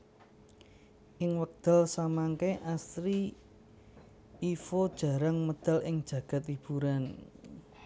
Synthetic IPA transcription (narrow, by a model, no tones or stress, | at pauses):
ʔɪŋwək̚d̪̥ə̤lsamaŋkeʔast̪ɾi | fod̥ʒ̥ä̤ɾaŋməd̪̥a̤lɪŋd̥ʒ̥ä̤ɡ̥a̤t̪lib̥uɾan